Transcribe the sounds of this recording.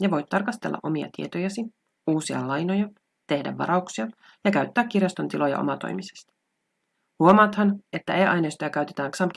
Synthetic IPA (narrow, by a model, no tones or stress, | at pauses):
jɑʋo̞jt̪t̪ɑrkɑst̪e̞lːɑ̰ʔo̞miɑ̰t̪ie̞̰t̪ojæsi | uːsiɑ̰lɑjno̞jɑ | t̪e̞hdæ̰ʋːɑ̰ɾʔɑuksiɑ | jɑkæɥt̪ːæːkːirjɑst̪o̞nt̪ilo̞jɑ̰ʔo̞̰mɑt̪o̞̰jmise̥st̪ɑ̥ | huomɑːt̪hɑne̞t̪ːæ̰ʔejʔɑ̰jnejst̪ojɑkæɥt̪e̞t̪æːŋksɑmpk